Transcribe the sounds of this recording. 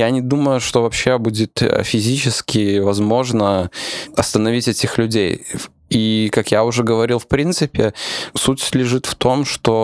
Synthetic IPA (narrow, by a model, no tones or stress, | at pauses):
janʲɪd̪uməjʊʂt̪ovɐpɕːe̞budʲɪt̪fʲɪzʲit͡ɕɪskʲɪvɐzmo̞ʐnəɐst̪ənɐvʲitʲɛtʲɪxlʲʉdʲej | ikakjaʊʐɛɡəvɐɾʲilˠfpɾʲint̪sɨpʲɪsutʲslʲɪʐɨt̪ft̪o̞mʂt̪o